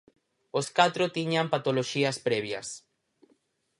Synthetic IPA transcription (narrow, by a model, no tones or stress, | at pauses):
oskat̪ɾot̪iɲampat̪oloʃiɐspɾɛβjɐ̰s